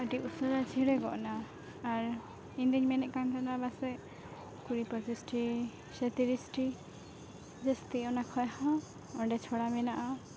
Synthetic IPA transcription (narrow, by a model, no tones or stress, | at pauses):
əʈiusɔɾat͡ʃʰiɽɛɡɔ̰ʔnaː | ɾ | iɲd̪iɲmɛnɛʔkant̪ʰanabasɛʔ | kuɾipət͡ʃisʈi | sɛt̪iɾisʈi | d͡ʒəst̪iɔnakʰɔjhã | ɔɳɖɛt͡ʃʰɔɽamɛnaʔa